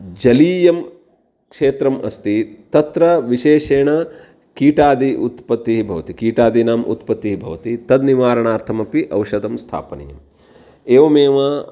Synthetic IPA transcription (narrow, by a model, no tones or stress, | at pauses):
d͡ʒɐliːjɐm | kʂeːt̪ɾɐmʔɐst̪it̪ɐt̪ɾɐʋiʃeːʃeːɳɐ | kiːʈaːd̪iʔut̪pɐt̪ːiɦibʱɐʋɐt̪ikiːʈaːd̪inaːmʔṵt̪pɐt̪ːiɦibʱɐ̰ʋɐt̪it̪ɐd̪niʋaːɾɐɳaːɾt̪ʰɐmɐpiʔɐwʃɐd̪ɐmst̪ʰa̰ːpɐnɐ̰jɐm | eːʋɐmeːʋɐ